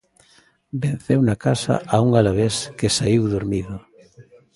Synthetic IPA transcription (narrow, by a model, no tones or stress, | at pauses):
ben̟θewnakasa̰ʔauŋalaβeskesaiwðoɾmiðʊ